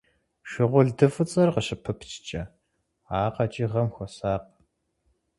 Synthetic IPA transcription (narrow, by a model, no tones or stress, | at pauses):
ʃɪʁʷʊɮdɨfɨt͡sʼɐrqəɕɪpʰɨpʰt͡ʃʰt͡ʃʼɐ | aːqɐt͡ʃʼiːʁɐmxʷɔsaːq